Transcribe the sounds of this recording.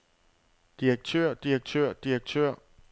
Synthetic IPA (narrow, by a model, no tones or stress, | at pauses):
d̥iʁeɡ̥̚t͡sʰøɐ̰d̥iɐɡ̥̚t͡sʰøɐ̰d̥iɐɡ̥̚t͡sʰøɐ̰